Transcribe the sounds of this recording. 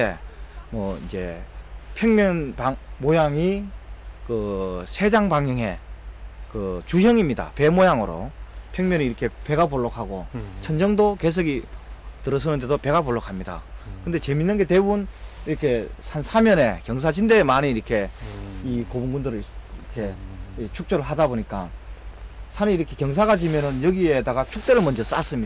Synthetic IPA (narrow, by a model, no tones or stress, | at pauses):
emwʌḭd͡ʑe̞̰pʰjʌŋmʲjʌnpaŋmojaŋi | kɯsʰe̞d͡ʑaŋbaŋjʌŋɦe̞ | kɯt͡ɕujʌŋimɲida̰pe̞mojaŋɯɾo̰pʰjʌŋmjʌniːɾʌkʰe̞pe̞ɡapoɭːokʰaɡot͡ɕʰʌnd͡ʑʌŋdoke̞s̬ʰɯɡitɯɾʌs̬ʰʌnɯnde̞dope̞ɡaboɭːokʰamɲida̰kɯnde̞t͡ɕe̞minːɯnɡe̞te̞buniɾʌkʰe̞sʰansʰamjʌne̞kjʌŋs̬ʰad͡ʑinde̞ːmaniːɾʌkʰe̞ikobuŋɡundɯɾɯɭkʰe̞t͡ɕʰuk̚t͡ɕ͈oɾɯɭɦadaboɲik͈a | sʰanɯiɾʌkʰe̞kjʌŋs̬ʰaɡad͡ʑimjʌnɯnjʌɡiedaɡat͡ɕʰuk̚t͈e̞ɾɯɭmʌnd͡ʑʌs͈a̰s͈ɯmɲi